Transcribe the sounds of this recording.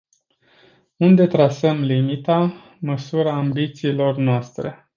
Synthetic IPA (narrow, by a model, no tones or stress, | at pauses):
und̪e̞t̪ɾasəmlimit̪a | məsuɾaːmbit̪siːlo̞rnoast̪ɾe̞̰